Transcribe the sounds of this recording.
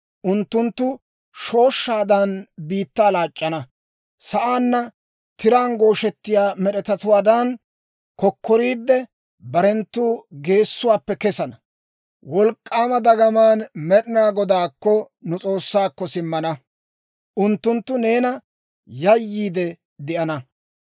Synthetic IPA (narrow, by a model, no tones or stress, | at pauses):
ʔʊnt̪ːʊnt̪ːʊ | ʃo̞ːʃːaːd̪ɐnbiːt̪ːaːlaːt͡ʃʼːɐnɐ | sɐʔaːnːɐ | t̪ɪɾaːnɡo̞ːʃɛt̪ːɪjaːmɛɗɛt̪ɐt̪ʊwaːd̪ɐn | kɔkʰːɔɾiːd̪ːɛ | bɐɾɛnt̪ːuːɡe̞ːsːʊwaːpːɛkɛsɐnɐ | wɔlkʼːaːmɐd̪ɐɡɐmaːnmɛɗɪnaːɡɔd̪aːkːɔ | nʊt͡sʼo̞ːsːaːkːɔsɪmːɐnɐ | ʔʊnt̪ːʊnt̪ːʊne̞ːnɐ | jɐjːiːd̪ɛ | d̪ɪʔɐnɐ